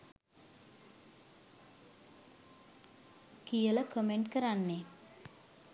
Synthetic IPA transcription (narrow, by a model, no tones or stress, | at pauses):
kijələkomeɳʈkəɾanːe